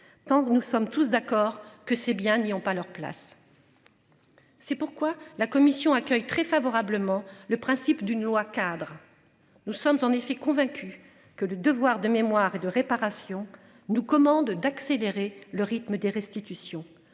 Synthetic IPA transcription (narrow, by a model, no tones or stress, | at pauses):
t̪ɑ̃nusɔmt̪us̬d̪akɔʁkəsebjɛ̃niɔ̃palœʁpla̰s | sɛpuʁkwalakɔmisjɔ̃akʲœjt̪χɛfavɔʁabləmɑ̃ləpχɛ̃sipd̪ynlwakad̪ʁ | nusɔmzɑ̃nefɛkɔ̃vɛ̃kʲy | kələd̪əvwaʁd̪əmemwaʁed̪əʁepaʁasjɔ̃ | nukɔmɑ̃d̪d̪akseleʁeləʁit̪məd̪eʁɛst̪it̪ysjɔ̃